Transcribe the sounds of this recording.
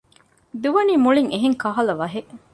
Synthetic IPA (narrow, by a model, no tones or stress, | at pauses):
d̪uʋɐniːmuɭiŋeɦeŋkɐɦɐlɐʋɐɦeʔ